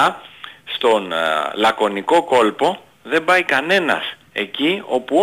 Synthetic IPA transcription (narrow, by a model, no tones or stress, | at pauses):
st̪o̞nlɐko̞niko̞ko̞lpo̞ | ðe̞mbɐjkɐne̞nɐ̰s | e̞̰cio̞pu